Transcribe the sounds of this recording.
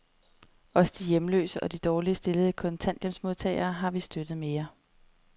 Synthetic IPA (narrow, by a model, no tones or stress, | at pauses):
ɒ̽sd̥ijemlø̰ːsəʔɒ̽d̥id̥ɒːliəsd̥e̝ləð̞̩ˠəkʰɔ̽nt͡sʰæn̰d̥jemd̥smo̝ðˠt͡sʰɛ̰ːɪɐːɦɑ̈ʋisd̥ød̥ð̞̩ˠme̝ːɐ